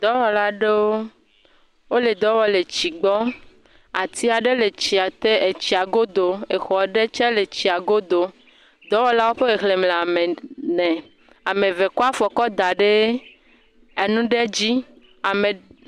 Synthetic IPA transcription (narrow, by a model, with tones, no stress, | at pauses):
d̪ɔ˦wɔ˨la˦ɖe˦wo˦ | wo˦le˨d̪ɔ˨˦wɔ˦le˨t͡ɕi˨ɡ͡bɔ˦ | a˨t̪i˦a˨ɖe˦le˨t͡ɕi˨a˨t̪e˦e˨t͡ɕi˨a˨ɡo˦d̪o˨e˨xɔ˨ɖe˦t͡ʃɛ˦le˨t͡ɕi˨a˨ɡo˦d̪o˨ | d̪ɔ˨˦wɔ˦la˦wo˦ɸe˦ɣe˨xle˨mle˨a˨me˨nɛ̃˨ | a˨mẽ˨ve˨kɔ˦a˦fɔ˨kɔ˦d̪a˨ɖe˦ | e˨nũ˦ɖe˦d͡ʑi˦ | a˨me˨